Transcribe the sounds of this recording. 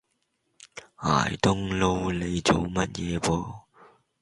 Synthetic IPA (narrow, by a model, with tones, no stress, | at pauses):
a̰ː˨˩jt̪ʊ˥ŋlo˧wle˨˧jt͡so˨˧wmɐ˥t̚jɛː˨˧pɔː˧